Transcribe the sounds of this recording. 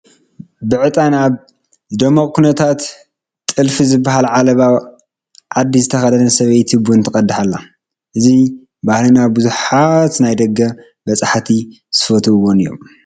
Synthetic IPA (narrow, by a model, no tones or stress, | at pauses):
bɨʕɨt̪ʼanaβ | d̪ɐmɐkʼkʰunɐt̪ʰat̪ʼ | ɨlfizɨbːaɦalʕalɐβa | ʕad̪ːizɨt̪ʰɐxɐd̪ɐnɐsɐβɐjt̪ʰibunt̪ʰɨkʼɐd̪ːħalːa | ʔɨzi | bahlinaβbɨzuħat̪najd̪ɐɡːɐ | bɐsʼaħt̪ʰi | z̥ɨfot̪ʰuɨwːonɨjːom